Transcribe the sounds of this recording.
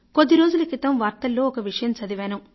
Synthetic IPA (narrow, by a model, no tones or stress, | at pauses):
kod̪ːiɾo̞ːd͡ʒulɐkit̪ɐmʋaːɾt̪ɐlːoːɔkɐʋiʂɐjɐmt͡ʃɐd̪iʋaːnu